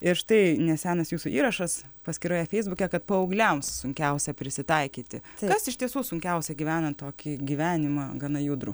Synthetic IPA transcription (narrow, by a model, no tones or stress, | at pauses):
ɪɾʃt̪ɐɪnʲɛsʲæːnɐsjuːsuʔiːɾɐʃɐspɐsʲkʲɪɾoːjɛfʲɛɪzbʊkʲɛkɐt̪̚pɐɐʊɡlʲɛmssʊŋʲkʲɛʊsʲɛpʲɾʲɪsʲɪt̪ɐɪkʲiːt̪ʲɪkɐsɪʃʲt̪ʲiɛsuːsʊŋʲkʲɛʊsʲɛɡʲiːʋʲæːnɐnt̪toːkʲiɡʲiːʋʲæːnʲɪmɑɡɐnɐjʊd̪ɾuː